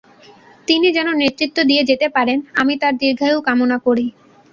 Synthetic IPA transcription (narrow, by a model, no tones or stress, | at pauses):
t̪inid͡ʑɛnoneɾt̪ːɾit̪ːod̪ied͡ʑet̪epaɾenamit̪aɾd̪iɾɡʱaewkamonakoɾi